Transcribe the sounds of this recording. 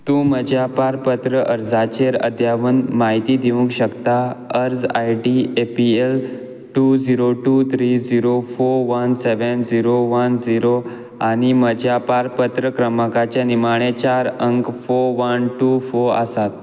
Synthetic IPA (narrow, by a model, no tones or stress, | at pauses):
t̪ũːməd͡ʑʱjapaɾpət̪ɾəʔəɾd͡zat͡ɕeɾə̰d̪ʱjaʋənmaɦit̪iːd̪iʋũŋkɕəkt̪aəɾd͡zajʈiepiel | ʈud͡ziɾoʈut̪ʰɾid͡ziɾofoɾʋənseʋənd͡ziɾoʋənd͡ziɾo | aɽ̃iməd͡ʑʱjapaɾpət̪ɾəkɾəməkat͡ɕjanimaɽ̃et͡ɕaɾəŋkfoɾʋənʈufoɾa̰sat̪̚